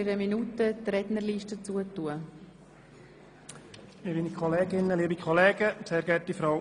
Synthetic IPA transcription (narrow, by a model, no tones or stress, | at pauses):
ɪɾəminutətrɛdnəɾliʃtət͡suətuə | mɪminikʰɔleːɡɪnːəliːbikʰχɔleːɡəseːɾɡɛtifɾa